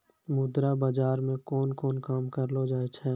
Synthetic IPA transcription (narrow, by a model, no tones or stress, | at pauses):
mʊd̪ɾabaːd͡ʒaːɾmẽkɔːnkɔːnkaːmkəɾlod͡ʒaːet͡ʃʰɛː